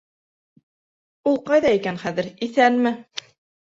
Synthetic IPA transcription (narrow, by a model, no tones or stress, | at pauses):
ulˠqɑjðɑikænχæðɘɾiθælmɘ